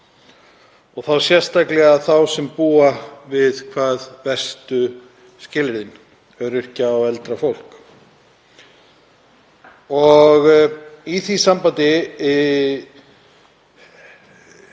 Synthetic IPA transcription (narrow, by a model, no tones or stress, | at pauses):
ɔɣθawsjɛr̥st̪aklɛɣaθawsɛmpuːavɪðkʰvaːðvɛr̥st̪ʏ | scɪlɾɪn | œɾɪr̥caːwɛlt̪ɾafowl̥k | ɔɣiθisampant̪ɪ